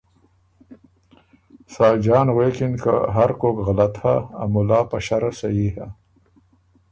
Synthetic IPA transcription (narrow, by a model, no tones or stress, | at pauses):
sɑːd͡ʒɑːnɣekɪnka̰ɦaɾkoːkɣalat̪ha̰ːmʊlɑːpaʃaɾasajiːha